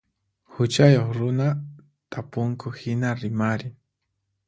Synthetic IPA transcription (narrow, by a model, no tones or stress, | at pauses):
hʊt͡ʃajoχɾʊna | t̪ʼapʊŋkʊhɪnaɾɪmaɾɪ